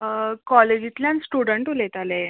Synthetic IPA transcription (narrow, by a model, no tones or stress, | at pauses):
kɔled͡ʑit̪lʲjãnsʈuɽəɳʈulet̪ale